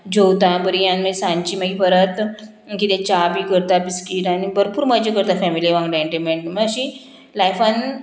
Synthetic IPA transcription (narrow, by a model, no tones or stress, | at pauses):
d͡ʑowt̪ãbəɾijanmẽsãɲt͡ɕiːmaɡipəɾət̪ | kit̪ẽt͡ɕabikəɾt̪abiskiʈanibəɾpuːɾmad͡ʑekəɾt̪afɛmiliʋãŋɡɖaɳʈemeɳʈməɕi | lajfãn